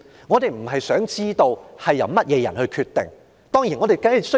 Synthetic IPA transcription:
ŋɔː˨˧t̪e˨jm̩˨˩ɦɐ˨jsœː˨˥ŋt͡siː˥t̪o˧whɐ˨jːɐ̰˨˧wmɐ˥t̚jɛː˨˧jɐ˨˩nhɵ˧ɥkʰyː˧t̪ːɪ̰˨ŋ | t̪ɔː˥ŋjiː˨˩nŋɔː˨˧t̪e˨˩jkɐ˥hsɵ˥

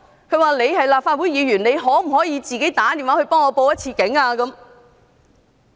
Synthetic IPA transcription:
kʰɵ˨˧ɥwaː˨˩le˨˧jhɐ˨jlaː˨p̚faː˧t̚wuː˨˥jiː˨˧ɥyː˨˩ne˨˧jɦɔː˨˥m̩˨˩hɔː˨˥jiː˨˧t͡siː˨ke˨˥jt̪aː˨˥t̪i˨nwaː˨˥hɵ˧ɥpɔː˥ŋɔː˨˧po˧wjɐ˥t̚t͡sʰiː˧kɪ˨˥ŋaː˧kɐ˨˥m

